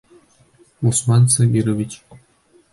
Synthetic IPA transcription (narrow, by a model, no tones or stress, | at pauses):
usmɑnsabʲiɾovʲit͡ɕ